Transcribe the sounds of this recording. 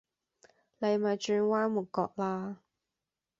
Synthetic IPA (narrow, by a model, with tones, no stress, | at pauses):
le˨˧jma˨˩t͡ʃyː˧nwaː˥mu˨˩kɔ̰ː˧k̚laː˧